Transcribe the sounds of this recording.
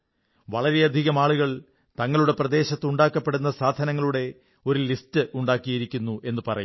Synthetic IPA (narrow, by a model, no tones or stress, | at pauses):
ʋɐɭɐɾe̞ɐd̪ʱiɣɐmaːɭuɣɐɭ | t̪ɐŋːɐɭuɽe̞prɐd̪e̞ːɕɐt̪ːuɳɖaːkːɐpːe̞ɽunːɐsaːd̪ʱɐnɐŋːɐɭuɽe̞ | o̞ɾulistɨʔuɳɖaːkːijiɾikʲːunːuʔe̞nːɨpɐrɐ̰ju